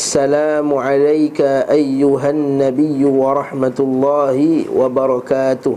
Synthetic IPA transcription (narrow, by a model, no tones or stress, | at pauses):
sːalaːmʊʕalajkaʔajːʊɦannːabɪjːʊwɑɾˤɑħmat̪lˤːɑːhɪwɑbɑɾˤɑkaːt̪ʊh